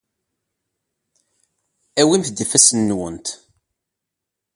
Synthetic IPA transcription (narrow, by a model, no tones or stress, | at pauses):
æwimθd̪əfæsənːwənt̪